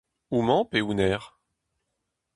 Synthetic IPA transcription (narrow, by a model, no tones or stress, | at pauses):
umɑ̃peunɛːʁ